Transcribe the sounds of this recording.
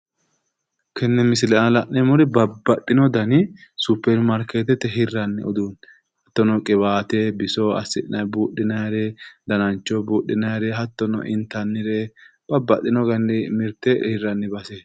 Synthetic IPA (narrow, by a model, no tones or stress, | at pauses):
kʰɛnːɛmɪsɪlɛalɐʔnɛmʊɾɪbɐbːɐt̪ʼːɪnɔd̪ɐnɪsupːɛɾmɐɾket̪ɛt̪ːɛɦɪrːɐnːɪɔd̪uːn | hɐt̪ːɔnɔkʼɪβaːt̪ebɪsoɐ̰sːɪᶑɪnɐjbuːɗːɪnɐjɾɛd̪ɐnɐnt͡ʃːɔbuːɗːɪnɐjɾɛɦɐt̪ːɔnɔ̰ʔɪnt̪ːɐnːɪɾeb̥ɐbːɐt̪ʼːɪnɔɡɐnːɪmɪɾt̪ɛhɪrːɐnːɪbɐsɛ